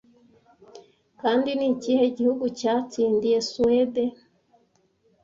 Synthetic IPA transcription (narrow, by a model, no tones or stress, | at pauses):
kaːndiniciːhe̞ɟihuɡucaːt͡siːndije̞suede